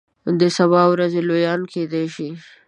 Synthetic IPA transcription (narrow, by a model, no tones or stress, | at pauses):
d̪əsabɑwɾazelojɑnked̪eʃi